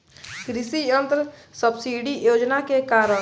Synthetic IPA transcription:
kɾɪsiə̃nt̪ɾəsəbsiːɖijoːd͡ʒnakekaːɾə

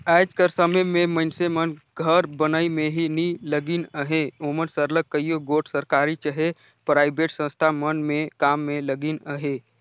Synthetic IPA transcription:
ɛd͡ʒkəɾsəməmeməɪnsemənɡʱəɾbənəimeɦiniləɡinəɦeomənsəɾlək̚kəjjoɡoʈʰsəɾkaɾit͡ʃəɦe | pɾaːɪbeʈsə̃st̪ʰamənmekamːeləɡinəɦe

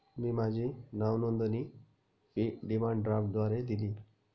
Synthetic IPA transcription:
miːmad͡ʑʱinaʋnɔnd̪əni | piɖimaɳɖɖɾafʈ̚d̪ʋaɾed̪iliː

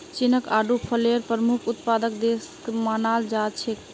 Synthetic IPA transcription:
t͡ʃinəkaɖupʰəleɾpɾəmukʰut̪pad̪əkd̪eskmanald͡ʒat͡ʃʰe

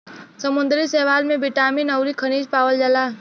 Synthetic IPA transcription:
səmʊ̃nd̪ɾisɛːʋaːlmẽbɪʈaːminɐwɾikʰəniːd͡ʒpaːwəld͡ʒɐlaː

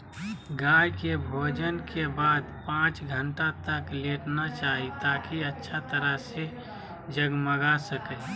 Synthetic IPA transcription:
ɡaːjkebʱoːd͡ʒənkebaːd̪pãːt͡ʃɡʱəɳʈat̪əkleːʈnat͡ʃaːɦit̪aːkiətːʃʰat̪əɾəɦse | d͡ʒəɡməɡasəkə

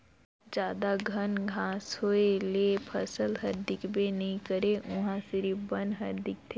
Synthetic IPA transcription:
d͡ʒaːd̪aɡʱɐnɡʱãːsɦoelepʰɐsəlɦɐɾd̪ɪkbenɐɦĩkəɾeʔʊ̃ɦãsɪɾibə̃nɦɐɾd̪ɪk̚t̪ʰeː

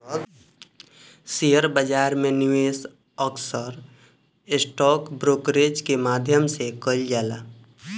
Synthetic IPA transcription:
sijəɾbəd͡ʒaːɾmẽnɪʋeːs | əksəɾ | ɪsʈɔːkbɾoːkɾed͡ʒkemaːd̪ʱjəmsekəld͡ʒaːlaː

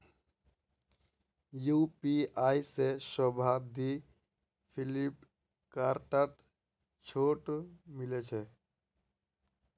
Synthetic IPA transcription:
jupiaisesɔbʱad̪i | pʰilip | kaɾʈaʈ | t͡ʃʰoːʈmɪlet͡ʃʰɛ

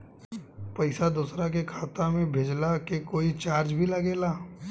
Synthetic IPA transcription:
pɐɪsad̪uːsɾak̬ekʰaːt̪amẽbʱeːd͡ʒlakekoːit͡ʃaːɾd͡ʒbʱilɐɡeːlaː

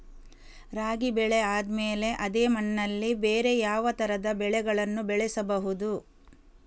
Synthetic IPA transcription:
ɾaːɡibɛɭeaːd̪meːle̞ʔɐd̪eːmɐnːɐlːibeːɾe̞jaːʋɐt̪ɐɾɐd̪ɐbɛɭɛɡɐɭɐnːubɛɭɛsɐbɐɦud̪u

